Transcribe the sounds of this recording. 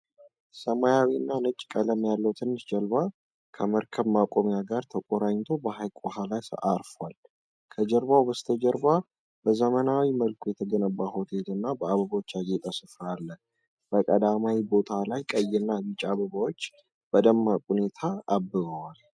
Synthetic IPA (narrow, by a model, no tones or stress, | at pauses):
səmajawinːanɨt͡ʃʼːkʼələmjalːəwt̪ʰɨnːɨsd͡ʒəlβa | kʰəməɾkʰəβmakʼomjaɡaɾt̪ʰəkʼoɾaɲt̪ʰo̞bəhajkʼohalajsaɾfwal | kʰəd͡ʒəɾbawbəst̪ʰəd͡ʒəɾba | b̥əzəmənawiməlkʰujɛt̪ʰəɡənəbːaho̞t̪ʰet̪ɨnːabəaβəɡot͡ʃːajet̪ʼəsɨfɾalːə | b̥əkʼəd̪amawibo̞t̪ʰalajkʼəjːɪnːabit͡ʃʼaβəβawot͡ʃː | b̥əd̪əmːakʼune̞t̪ʰaːbːɨβəwal